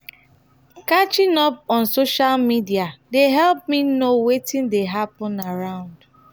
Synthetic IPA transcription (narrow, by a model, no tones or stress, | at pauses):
kat͡ʃĩŋɔpɔ̃nsoʃalmidiadeɦɛlp̚minowetĩndeɦapɔ̃naɹãʊ̃nd̥